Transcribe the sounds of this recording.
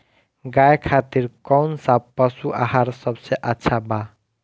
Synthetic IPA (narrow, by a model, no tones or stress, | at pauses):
ɡajkʰat̪iɾkɔnsapəsuʔa̰ɦaɾsəbseʔətːʃʰaba